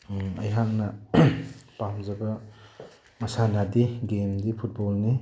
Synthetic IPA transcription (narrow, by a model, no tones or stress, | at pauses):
ɐ̰jɦaŋnɐ | pamzɐbɐ | mɐsanadiɡemdipʰut̚bɔlni